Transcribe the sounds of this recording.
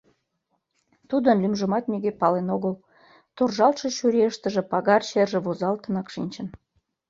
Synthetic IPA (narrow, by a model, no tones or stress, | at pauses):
t̪ud̪ənlymʒə̆mɑt̪nʲiɡepɑlenoɣəl | t̪orʒɑlʃɤ̆ɕuɾʲeəʃt̪ə̆ʒĕpɑɣɑrt͡ɕerʒĕβozɑlt̪ənɑkʃinʲt͡ɕən